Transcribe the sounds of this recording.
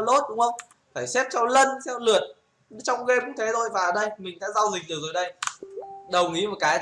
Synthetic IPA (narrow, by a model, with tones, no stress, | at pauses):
lo˦˥t̚ɗʊ˨˦ŋ͡mhə˧wŋ͡m | faː˧˩jsɛ˦˥p̚t͡ɕɔ˧lə˧nsɛ˧wlɨ˨˩ət̚ | t͡ɕɔ˧wŋ͡mɣe˧kʊ˨˦ŋ͡mt̪ʰe˨˦zʰo˧˩jvaː˨˩ʔə˧˩ɗə˧jmï˨˩ŋ̟ɗa̰ː˧˥zaː˧wzï˨˩k̟̚ɗɨ˨˩k̚zəː˨˩jɗə˧j | ɗə˨˩wŋ͡mʔi˨˦mo˨˩t̚kaː˨˦j